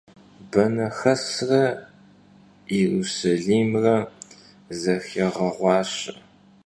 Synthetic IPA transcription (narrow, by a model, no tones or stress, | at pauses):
bɐnɐxɐsrɐ | ɛrusɐɮiːmrɐ | zɐxeʁɐʁʷɑːɕɐ